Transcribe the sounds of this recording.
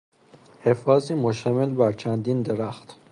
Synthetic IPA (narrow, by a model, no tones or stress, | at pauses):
hefɒːziːmoʃt̪æmelbæɾt͡ʃʰænd̪iːnd̪eɾæxt̪